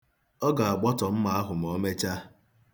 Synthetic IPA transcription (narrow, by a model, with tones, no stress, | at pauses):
ɔ˦ɡa˨a˨ɡ͡bɔ˦tɔ˨m̩˦ma˦a˦ɦʊ˨m̩˨ɔ˦me˦t͡ʃa˦